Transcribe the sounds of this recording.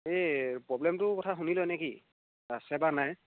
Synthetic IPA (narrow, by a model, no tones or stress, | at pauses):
epɹɔblɛmtʊkɔtʰaxunilɔnekḭ | ɹasɛbaɹnaj